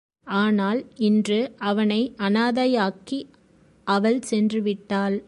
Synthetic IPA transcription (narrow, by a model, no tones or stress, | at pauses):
aːnaːlɪndrɯʔɐʋɐnɐɪʔɐnaːðɐjaːki | ʔɐʋɐlsɛndrɯʋɪʈːaːl